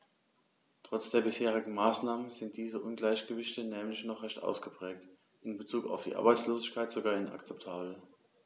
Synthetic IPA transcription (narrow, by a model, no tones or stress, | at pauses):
tʁ̥ɔt͡sd̥eːɐbɪsheːʁ̞ɪɡŋ̩maːsnaːmənzɪnt̚d̥iːzəʔʊnɡlaɪçɡ̥əvɪçtənɛːmlɪçnɔχʁɛçtʔa̰ʊsɡ̥əpʁ̥ɛːk̚t | ʔɪnbət͡suːka̰ʊfd̥ḭːʔa̰ɐbaɪt͡sloːzɪçkʰaɪtz̥oɡaːɐɪna̰kt͡sɛptʰaːbl̩